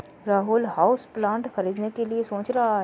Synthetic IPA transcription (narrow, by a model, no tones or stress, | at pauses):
ɾaːɦuːlɦaːʊsplãːɳʈxɐɾiːd̪nekeliesõːt͡ʃɾaɦaɦ